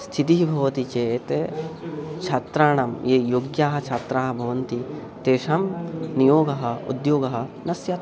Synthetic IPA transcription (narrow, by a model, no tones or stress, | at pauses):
st̪ʰit̪iɦibʱɐʋɐt̪it͡ʃeːt̪e | t͡ʃʰat̪ɾaːɳɐmjeːjoːɡjaːɦɐ̆t͡ʃʰaːt̪ɾaːɦɐbʱɐʋɐnt̪i | t̪eːʂɐmnijoːɡɐɦɐ̆ṵd̪joːɡɐɦɐ̆nɐsjɐt̪